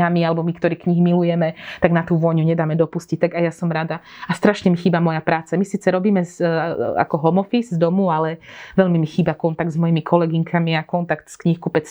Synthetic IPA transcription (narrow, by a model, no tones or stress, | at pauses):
amialɛbɔmikt̪ɔɾiːkɲiɦmilujɛmɛt̪aɡnat̪uːʋɔjɲuɲɛd̪aːmɛd̪ɔpuscic̚t̪aɡajasɔmɾad̪a | ast̪ɾaʃɲɛmixiːbamɔjapɾaːt͡samisiːt͡sɛɾɔbiːmɛza̰kɔɦɔmɔfizzd̪ɔmualɛʋɛʎmimixiːbakɔnt̪aɡ̪̚zmɔjimikʰɔlɛɡiŋkʰamiakɔnt̪akt̪skɲixkupɛt͡s